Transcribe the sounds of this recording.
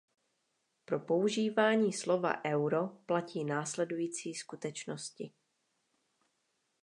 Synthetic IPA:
pɾo̞po̞uʒiːvaːɲiːslo̞va̰ʔɛwɾo̞placiːnaːslɛdujiːt͡siːskut̪ɛt͡ʃnoscɪ

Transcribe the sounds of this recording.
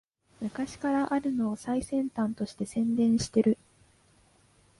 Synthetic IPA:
mɯ̟kaɕi̥kaɾaʔaɾɯ̟no̞ːsaisẽ̞nt̪ãnt̪o̞ɕi̥t̪e̞sẽ̞nd̪ẽ̞ɰ̃ɕi̥t̪e̞ɾɯ̟

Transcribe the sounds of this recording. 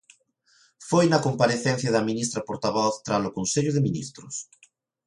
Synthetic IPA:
fojnɐkompaɾeθɛn̟θjaðɐmĩnist̪ɾɐpoɾt̪aβɔθt̪ɾalokonseʎʊðeminḭst̪ɾʊs

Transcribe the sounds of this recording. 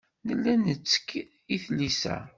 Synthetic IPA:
nəlːænət͡sːə̥kː | iθlisæ̰

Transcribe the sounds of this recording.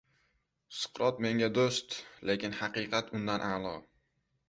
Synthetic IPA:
sɨ̥qɾɒt̪me̞ŋʲad̪ost̪le̞kʲɪnhɑqɨqʰɑt̪ʊnd̪anʔalˠɒ

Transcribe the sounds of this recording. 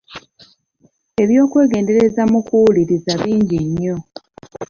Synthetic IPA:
e̞βjo̞ːkwe̞ːɡe̞ːnde̞ɾe̞zamukuuliɾizaβiːɲɟiɲːo̞

